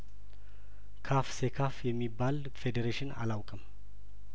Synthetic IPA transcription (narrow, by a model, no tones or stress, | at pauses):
kʰafsekʰafjɛmːibːal | fed̪eɾeʃɪna̰lawkʼɨm